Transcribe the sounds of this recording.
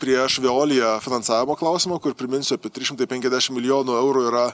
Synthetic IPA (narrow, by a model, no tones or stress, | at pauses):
pʲɾʲiɛʃʋʲeoːlʲɪjɛfʲɪnɐnsɑːʋʲɪmoːklˠɑʊsʲɪmoːkʊɾpʲɾʲɪmʲɪnʲsʲʊɐpʲɛt̪ʲɾʲɪʃʲɪmt̪ɐɪpʲɛŋʲkʲɛzʲd̪ʲæːʃʲɪmʲɪlʲɪjoːnuːɛʊɾuːiːɾɐ